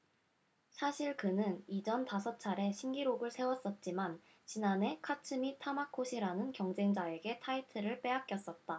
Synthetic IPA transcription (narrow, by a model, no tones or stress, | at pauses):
sʰaɕʰiɭkɯnɯnid͡ʑʌntasʰʌt͡ɕʰaɾe̞ɕʰiŋɡiɾoɡɯɭsʰe̞wʌs͈ʌt̚t͡ɕ͈iman | t͡ɕinane̞kʰatʰɯmitʰamakʰoɕʰiɾanɯnkjʌŋd͡ʑe̞ŋd͡ʑae̞ɡe̞tʰaitʰɯɾɯɭp͈e̞ak͈jʌs͈ʌt̚t͈a